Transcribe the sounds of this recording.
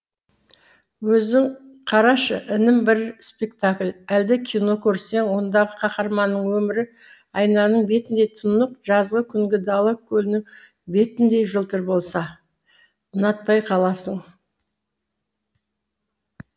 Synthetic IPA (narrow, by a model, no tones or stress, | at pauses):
wɵzɪŋ | qʰɑɾɑʃəʔɪnɪmbɪɾspe̞kt̪aklʲæld̪ɪkʲʰijno̞kʲʰɵɾse̞ŋwo̞nd̪ɑʁəqʰɑχɑɾmɑnːəɴwɵmɪɾɪ | ɑjnɑnəɴbe̞t̪ɪnd̪e̞jt̪ʰʊnəq̚ʒɑzʁəkʲʰʏŋɡʲɪd̪ɑlˠəkʲʰːɵlɪnɪŋ | be̞t̪ɪnd̪e̞jʒəlˠt̪əɾbo̞lˠsɑ | ənɑt̪̚pɑjqʰɑlˠɑsəɴ